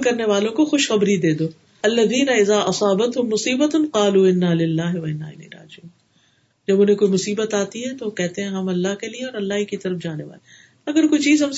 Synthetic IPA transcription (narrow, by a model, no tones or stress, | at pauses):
kɐɾneʋaːlõkoxʊʃxɐbɾid̪eːd̪oː | ɐlːɐðiːnɐɪzaːʔɐsɑːbɐt̪ɦʊmːʊsiːbɐt̪nqɑːluːɪnːaːlɪlːaːɦɪwɐɪnːa̰ːɪ̰nḭːɾa̰ːd͡ʒuːn | d͡ʒɐbʊnẽkoːimʊsiːbət̪aːt̪iɦɛt̪okɛɦt̪eɦɛ̃ɦɐmɐlːaɦkelieɔːɾɐlːaːɦikit̪ɐɾəfd͡ʒaːneʋa̰ːle | ɐɡəɾkoːit͡ʃiːzɦɐms